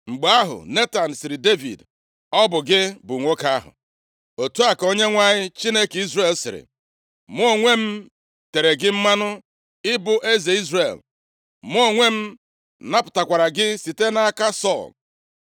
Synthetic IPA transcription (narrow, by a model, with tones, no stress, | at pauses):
ŋ͡m̩˨ɡ͡ba˦ɦʊ̰˨ne˦ta˨n̩˨sɪ˨ɾɪ˨de˦vḭ˨d | ɔ˦bʊ˨ɡɪ˦bʊ˨ŋʷo˦ka˦a˦ɦʊ̰˨ | o˨tu˦a˨ko˦ɲe˦ŋʷa˦ɲɪ˦t͡ʃi˦ne˦ki˦zre˦˨lsɪ̰˨ɾɪ̰˨ | m˦o˦ŋʷe˦m̩˦ | te˨ɾe˨ɡɪ˦m̩˦ma˦nʊ˦ | ɪ˦bʊ˨ʔe˦ze˨i˦zre˨l | m˦o˦˨ŋʷe˦m̩˦ | na˦pʊ˨ta˨kʷa˨ɾa˨ɡɪ˦si˨te˦na˦a˦ka˦sɔ˦˨l